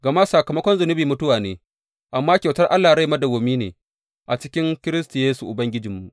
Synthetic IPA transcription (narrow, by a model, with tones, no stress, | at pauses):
ɡɐ˨maː˦sa˨kɐ˨mɐ˦kʷɔ˦nzʊ˨nʊ˦biː˨mʊ˦tʊ˦waː˨neː˨ | ʔa˨mːaː˦kʲwtɐ˦rʔa˦lːaː˨ɽa˦jmɐ˦da˨ɡoː˨miː˦nḛː˨ | ʔa˨t͡ʃɪ̥˦kʲɪ˦ŋkʲɪ˦ɾɪ˦stu˨jeː˦su˨ʔʊ˨bɐ˦ŋɡʲɪ˦d͡ʒɪ˨mːu˨ʔ